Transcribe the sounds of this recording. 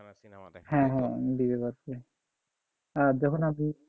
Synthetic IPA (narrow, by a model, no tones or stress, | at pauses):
hɛ̃ɦɛ̃bibebaɾkɔe | aɾd͡ʒɔkʰonami